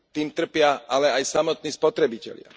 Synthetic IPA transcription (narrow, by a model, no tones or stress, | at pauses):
t̪iːmt̪r̩pɪaʔalɛajsamɔt̪̚niːspɔt̪ɾɛbicɛ̰ʎɪa̰